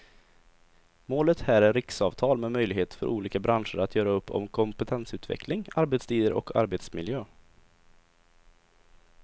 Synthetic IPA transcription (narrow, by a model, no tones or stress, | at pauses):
moːlət̪hæːɾæɾɪksɑːvt̪ʰɑːlmɛmœjlɪɡheːt̪fœ̰ɾʔuːliːkabɾanʂəɾat̪ʰjœːɾaɵpːɔ̰mkʰɔmpɛt̪ʰɛnsʉ̟ːt̪vɛ̰klɪŋaɾbet̪st̪ʰiːd̪əɾʔɔ̰kʰa̰ɾbeːt̪smɪljøː